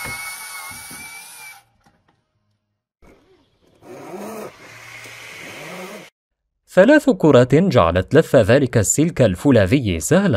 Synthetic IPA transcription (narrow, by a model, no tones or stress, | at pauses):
θalaːθkʊɾˤɑːt̪d͡ʒa̰ʕa̰lat̪lafːaðaːlɪkasːɪlkalfʊlaːðɪjːsahlan